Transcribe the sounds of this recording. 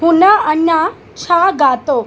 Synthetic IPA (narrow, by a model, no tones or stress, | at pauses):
ɦunaənja | t͡ɕʰaɡat̪o